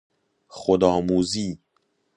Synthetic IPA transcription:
xod̪ɒːmuːziː

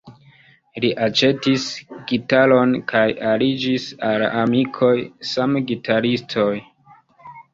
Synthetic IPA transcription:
liʔat͡ʃe̞tisɡitalo̞nkʰajalid͡ʒisalamikʰo̞jsamɡitʰaɾistʰo̞j

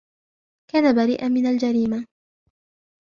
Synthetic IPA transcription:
kaːnabaɾiːʔanmɪnald͡ʒaɾiːma

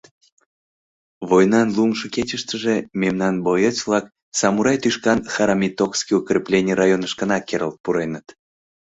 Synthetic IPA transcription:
βojnɑnlumʃəket͡ɕəʃt̪əʒememnɑnbojət͡ɕvlˠɑk | sɑmuɾɑjt̪yʃkɑnxɑɾɑmʲit̪okskijukrʲiplʲenʲirɑjonəʃkənɑkːeɾəlt̪̚puɾenət̪

